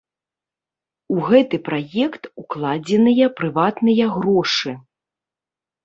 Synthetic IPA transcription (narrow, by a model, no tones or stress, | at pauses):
uɣɛt̪ɨpɾajɛkt̪uklˠad͡zʲɛnɨjɐpɾɨvat̪nɨjɐɣɾɔʂɨ